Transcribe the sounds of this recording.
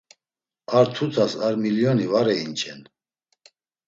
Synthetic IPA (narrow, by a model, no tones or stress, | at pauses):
aɾt̪ʰut̪ʰasaɾmiljɔnivaɾɛint͡ʃʰɛn